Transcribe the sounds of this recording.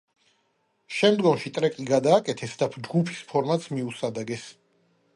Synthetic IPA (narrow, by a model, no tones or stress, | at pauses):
ʃɛmd̪ɡɔmʃit̪ʼɾɛkʼiɡad̪aːkʼɛt̪ʰɛsd̪apʰd͡ʒɡupʰi̥spʰɔɾmat̪smiusad̪aɡɛs